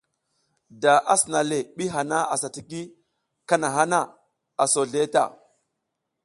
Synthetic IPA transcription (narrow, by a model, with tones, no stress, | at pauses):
da˨ʔa˦sna˨le˨ɓi˦ɦa˨na˦a˨sa˨ti˨ki˦ | ka˦na˨ɦa˦na˦˨ | a˨so˨ɮe˦ta̰˨